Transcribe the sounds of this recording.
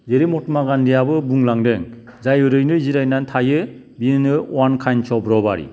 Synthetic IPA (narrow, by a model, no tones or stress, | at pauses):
zeɾimɔtmaɡandijabɯbuŋlaŋdɯŋ | zajɯɾɯjnɯziɾajnantʰajɯ | binɯnɯwankʰajnt͡ʃʰɔbɾɔbaɾḭ